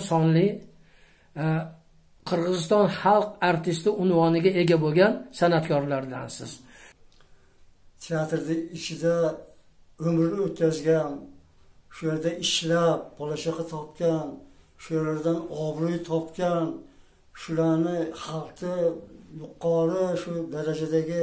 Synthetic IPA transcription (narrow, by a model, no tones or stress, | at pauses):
sɒnlɪ | qʰɨɾʁɨzɪst̪ɒnχɑlˠqaɾt̪ɪst̪ɪʊnvɒnɪɡʲae̞ɡʲabolˠɡʲansanat̪kʰʲɒɾlaɾd̪ansɪz̥ | t̪ʰeat̪ɾd̪ɪɪt͡ʃʰɪd̪a | ɵmɾɪnɪot̪̚kʲazɡʲan | ʃʊjeɾd̪aʔɪʃlap̚bɒlˠaʃaqɑt̪ʰɒp̚kʲan | ʃʊjeɾlaɾd̪anɒbɾujt̪ʰɒpkʲan | ʃʊlaɾnɪχɑlˠqʰɪjʊqʰːɑɾɪʃʊd̪aɾad͡ʒad̪aɡʲɪ